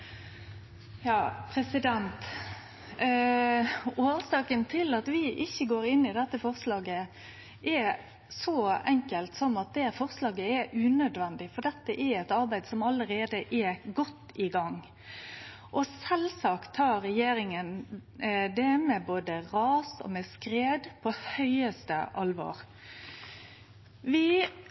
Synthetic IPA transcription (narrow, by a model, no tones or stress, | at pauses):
jɑːpʰɾɛsɪd̪ɛnt̪ | oːsɑːkənt̪ʰɪlɑt̪ʋɪʔɪçːəɡoːɾɪnːɪd̪ɛt̪ːəfɔʁslɑːɡə | ʔɛ | sɔɛŋkəlt̪sɔmɑt̪̚d̪ɛfɔʁslɑːɡəɛʉːnœd̪ʋɛnd̪ɪfɔɖ̪ɛt̪ːəʔɛɾɛt̪ɑɾbæɪd̪sɔmɑləɾeːd̪əʔɛɡɔt̪ːɪɡɑŋ | ʔɔsɛlsɑkt̪ʰːɑːɾɛjeːɾɪŋən | d̪ɛmɛboːd̪əʁɑːsɔ̰mɛskɾeːd̪pʰɔhœʏəst̪ə̰ʔɑlʋo̰ːɾ | ʋɪ